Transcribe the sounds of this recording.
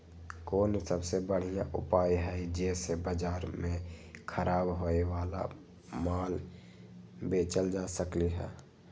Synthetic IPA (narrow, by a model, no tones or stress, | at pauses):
koːnsəbsebəɽ̤ijãʔʊ̰paːjɦɛd͡ʒeːsebəd͡ʒaːɾmẽkʰəɾaːbɦoewaːla̰ | maːl | beːt͡ʃəld͡ʒaːsəkliɦɛ̰ː